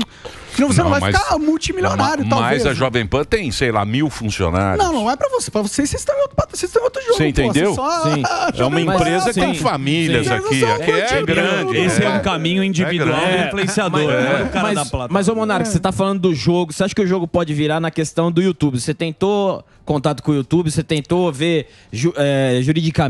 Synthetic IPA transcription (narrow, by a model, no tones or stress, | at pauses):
ɪnɐ̃wvonseñvaj̃mfkamuwt͡ʃimiljonaɾjʊamazɐʒɔvẽj̃pɐ̃t̪ẽj̃sejla̰miwfũsio̰na̰ɾ̰nɐ̃w̃nɐ̃w̃ɛpɾɐvose̥pɾɐvosesest̪ẽj̃ot̪ɾʊpat̪ɐsest̪ẽj̃ot̪ɾʊʒõẽt̪ẽsd̪ewsɔsĩɛ̰ũmɐĩmpɾezɐkɪst̪ẽj̃familsjɐzakiakɛt͡ʃɛɡɾɐ̃ɪesɪɛũkamĩɲʊĩd͡ʒivid̪uawĩfluẽsiad̪moɾnɐ̃ɛkamɐɐzd̪ɐplat̪mɐzomõnaɾkɪset̪afalɐ̃nd̪ʊd̪ʊʒoɡʊseaʃʊ̥kɪʊʒoɡʊpɔd͡ʒɪviɾaɾnɐkest̪ɐ̃w̃d̪ʊiut̪ubɪset̪ẽnt̪o | kõnt̪at̪ʊkõut̪ubɪset̪ẽnt̪oveɾ | ʒuɛʒuɾid͡ʒika